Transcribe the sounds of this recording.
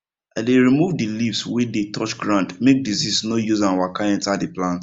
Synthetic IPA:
adeɹimuvdilifswedetʰɔt͡ʃɡɹãndmek̚diziznojuzãnawakaɛ̃ntadiplãnt

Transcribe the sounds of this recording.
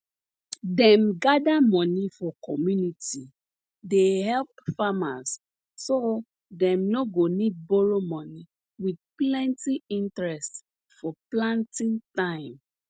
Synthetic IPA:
dɛ̃mɡadamɔ̃nifɔkʰɔmjuniti | dehɛlpfamaz | so | dɛ̃mnoɡonid̚boɹomɔ̃ni | wid̚plɛ̃ntiĩntɹɛst | fɔplãntĩntãɪ̃m

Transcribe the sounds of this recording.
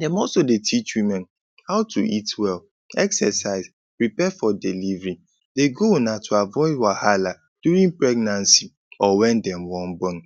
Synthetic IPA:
dɛ̃mɔlsodetʰit͡ʃwimɛ̃n | haʊtʰuitwɛl | ɛksɛsaɪz | pɹipɛfɔdilivɹĩ | deɡonatʰuavɔɪdwahala | d̥juɾĩŋpɹɛɡnãnsi | ɔwɛ̃ndɛ̃mwɔ̃nbɔn

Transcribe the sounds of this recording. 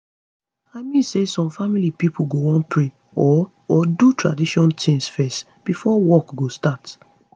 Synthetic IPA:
aɪmĩnsesɔ̃mfamilipipʰuɡowɔ̃npʰɹe | ɔ | ɔdutɹa̰diʃɔ̃ntʰĩŋsfɛst | b̥ifɔwɔkɡostat

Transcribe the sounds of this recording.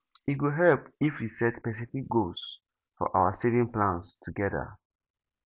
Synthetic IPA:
iɡuɦɛlpifwisɛtspɛs̬ifik̚ɡos | fɔ̰ʔawasevĩŋplãnstʰuɡɛda̰

